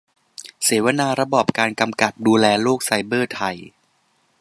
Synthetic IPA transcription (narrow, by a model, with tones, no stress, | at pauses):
seː˩˦wa˧naː˧ɾa˧bɔː˨˩p̚kaː˧nka˧mka˨˩t̪̚duː˧lɛː˧loː˥˩k̚sa˧jbɤː˥˩t̪ʰa˧j